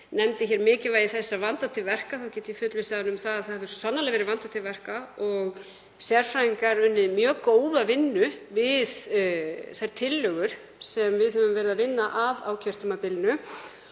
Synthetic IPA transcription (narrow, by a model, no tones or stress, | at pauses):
nɛmt̪ɪçɛːɾmɪːcɪvaːjiθɛsːavant̪at̪ʰɪlvɛr̥kaθawcɛːt̪ɪifʏt̪lʏsaðanʏmθaðaðθaðhɛvðʏ̥sɔsanːalɛɣvɛɾɪvant̪at̪ʰɪlvɛr̥kaɔɣ | sjɛɾ̥fɾaiŋkaɾʏnːɪðmjœːkoːwðavɪnːʏvɪð | θajɾ̥t̪ʰɪlːœɣʏɾ̥ | sɛmvɪðhœvʏmvɛːɾɪðavɪnːaʔavaːwcʰɛr̥t̪ʏmat̪ɪlɪnʏ